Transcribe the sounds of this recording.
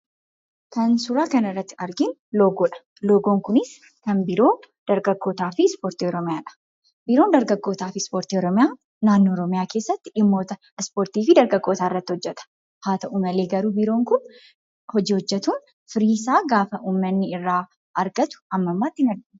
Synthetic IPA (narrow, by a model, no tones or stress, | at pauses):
kɐnsʊɾaːkɐnɪrːɐt̪ːɪ̥ɐɾɡɪnloːɡoːᶑɐ̥ | loːɡoːŋkʊnɪs | kɐnbɪɾo̞ːd̪̥ɐɾɡɐɡːo̞ːt̪aːfɪspo̞ːɾt̪iɔɾɔmɪjaːᶑɐ̥ | bɪɾo̞ːnd̪ɐɾɡɐɡːo̞ːt̪aːfɪspo̞ːɾt̪iːɔɾɔmɪjaː | naːnːoːɔɾɔmɪjaːke̞ːsːɐt̪ːɪɪmːo̞ːt̪ɐ | spoːɾt̪iːfɪd̪ɐɾɡɐɡːo̞ːt̪aːɪrːɐt̪ːɪhɔd͡ʒːɛt̪ɐ̥ | haːt̪ɐʔumɐle̞ːɡɐɾuːbɪɾo̞ːŋkʊn | hɔd͡ʒiːhɔd͡ʒːɛt̪uːn | fɪɾiːsaːɡaːfɐʔuːmːɐnːɪɪrːaː | ʔɐɾɡɐt̪ʊ̥ɐmːɐmːaːt̪ːɪɪnɐɾɡɪ